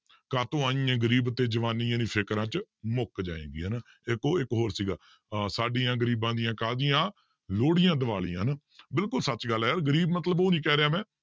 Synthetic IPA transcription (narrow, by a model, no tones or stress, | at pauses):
kaːt̪õːãːiãːɡəɾiːbt̪eːd͡ʒəʋaːniːãːnĩːpʰɪkɾãːt͡ʃmʊkd͡ʒa̰ːḛ̃ːɡiːɦən | ɪkoːɪkɦoːɾsiːɡaː | saːɖijãːɡəɾiːbãːd̪ɪjãːkaːd̪ijãː | loːɽɪjãːd̪əʋaːlḭːã̰ːn | bɪlkʊlsət͡ʃɡəlːɦɛːɾɡəɾiːbmət̪ləboːnĩːkɛːɾeaːmɛ̃ː